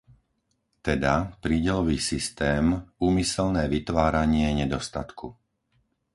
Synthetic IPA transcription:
t̪ɛd̪apɾiːɟɛlɔʋiːsist̪ɛːmuːmisɛlnɛːʋit̪ʋaːɾaɲɪɛɲɛd̪ɔst̪at̪kʰu

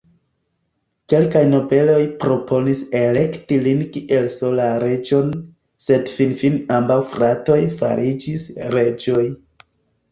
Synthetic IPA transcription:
ke̞lkajno̞be̞lo̞jpɾo̞pʰo̞nise̞le̞ktilinkiʔe̞lso̞laɾe̞d͡ʒo̞n | se̞dfinfinambawfɾato̞jfa̰ɾʔid͡ʒisɾe̞d͡ʒo̞j

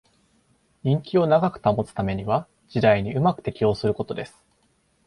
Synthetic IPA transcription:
ɲʲĩŋkʲio̞naɡakɯ̟̥t̪amo̞t͡sɨ̥t̪ame̞ɲ̟iβa | d͡ʑid̪aiɲ̟iɯ̟makɯ̟̥t̪e̞kʲio̞ːsɨɾɯ̟ko̞t̪o̞d̪e̞sɨ̥

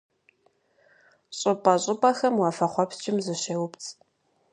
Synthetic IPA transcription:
ɕʼɨpʼɐɕʼɪpʼɐxɐmwɑfɐχʷɔpt͡ʃʼɪmzɨɕeːwʊpt͡sʰʼ

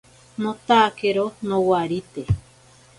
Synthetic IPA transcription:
nõt̪akeɾonõwaɾit̪e

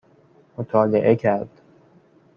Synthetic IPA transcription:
mot̪ʰɒːleʔecʰæɾd̪̥

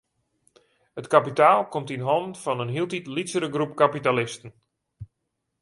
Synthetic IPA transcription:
hətkapitaːlˠkomtinɦɔnfɔnənɦiəlˠtitlisəɾəɡrup̚kapitalɪstən̩

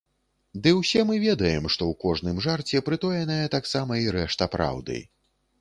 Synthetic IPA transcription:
d̪ɨwsʲɛmɨvʲɛd̪ɐjɛmʂt̪ɔwkɔʐnɨmʐart͡sʲɛpɾɨt̪ɔjɐnɐjɐt̪aksamɐiɾɛʂt̪ɐpɾa̰wd̪ɨ̰j

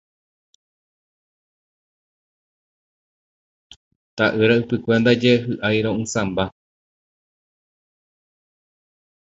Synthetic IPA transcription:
t̪aʔɨɾaɨpɨkʷend̪ad͡ʒeɦɨʔajɾõɨ̃sãmba

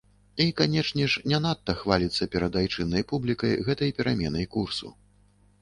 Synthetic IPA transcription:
ikanʲɛt͡ʂnʲɛʂnʲɛnat̪ːɐxvalʲit̪sːɐpʲɛɾɐd̪ajt͡ʂɨnːɐjpublʲikɐjɣɛt̪ɐjpʲɛɾamʲɛnɐjkursṵ

